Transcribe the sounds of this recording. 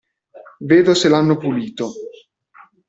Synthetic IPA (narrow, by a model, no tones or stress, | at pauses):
veːd̪oselanːopuliːt̪o